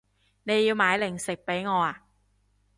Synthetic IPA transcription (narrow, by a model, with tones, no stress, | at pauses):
ne˨˧jːiː˧wmaː˨˧jlɪ˨˩ŋsɪ˨k̚pe˨˥jŋɔː˨˧aː˨˧